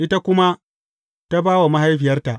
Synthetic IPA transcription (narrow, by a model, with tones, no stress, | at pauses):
ʔɪ˦ta˦kʷʊ˦ma˦ | ta˦baː˦wa˨ma˦ɦa˦jɸɪ˨jɐ˦rta˨ʔ